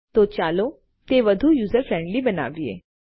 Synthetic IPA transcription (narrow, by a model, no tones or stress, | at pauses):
t̪oːt͡ʃaːloː | t̪eːʋɐd̪ʱujuːzəɾfʰɾɛ̃ːɳɖlibɐna̰ːbiḛː